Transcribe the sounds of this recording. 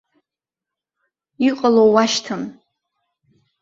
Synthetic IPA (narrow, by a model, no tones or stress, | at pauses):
iqʼalowaʃtʰɨm